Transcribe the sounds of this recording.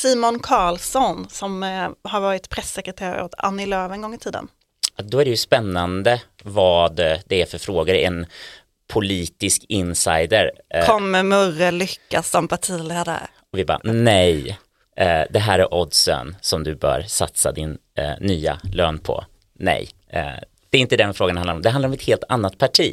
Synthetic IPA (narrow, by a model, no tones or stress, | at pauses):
siːmɔnkʰɑːlsɔnsɔmhaɾvɑːɾɪt̪pʰɾɛsːɛkɾɛt̪ʰeːɾa̰o̰t̪ʰa̰nːɪløːvɛnɡɔŋːɪt̪ʰiːd̪ə̰n | d̪ɔæɖɛjɵspɛnːand̪ə | vɑːd̪d̪ɛæɾfœɾfɾoːɡaɾəɛn | pʰʊliːt̪ɪskɪnsajd̪əɾkʰɔmːɛmɵɾəlʏkːasɔmpʰaʈʰiːleːd̪a̰ɾ | ɔvɪbɑ̰ːnɛj | d̪ɛɦæːɾæɾʔɔd̪sə̰nsɔmd̪ɵbœ̰ːɾsa̰t̪sa̰d̪ɪnː | yːa̰løːnpʰɔ̰ | nɛ̰j | d̪̥ɛɪnt̪əd̪ɛnfɾoːɡanhanɾɔmd̪ɛhãnd̪aɾɔmɛt̪heːlt̪ʰanːat̪̚pʰaʈʰḭː